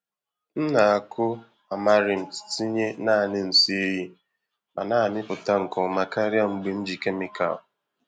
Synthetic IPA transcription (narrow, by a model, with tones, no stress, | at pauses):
n̩˦na˨a˨kʰʊ˦ | a˨ma˦ɾɪ˨m̩˨ti̥˨˦ti˦ɲe˦na˦˨nɪ˦n̩˨si˦e˦ji˦ | ma˨na˦˨mɪ˦pʊ˨ta˦ŋ̩˨kɔ˨ma˨ka˦ɾja˦˨ŋ͡m̩˨ɡ͡bi˨n̩˦d͡ʒi˨ke˦mɪ˦ka̰˨l